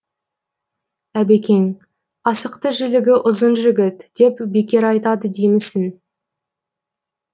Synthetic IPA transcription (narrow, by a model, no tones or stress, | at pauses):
æbekʲe̞ŋ | ɑsəqt̪əʒʏlɪɡʲɪʔʊzənʒʏɡʲɪt̪d̪̥e̞pbe̞kʲe̞ɾɑjt̪ɑd̪əd̪ejmɪsɪn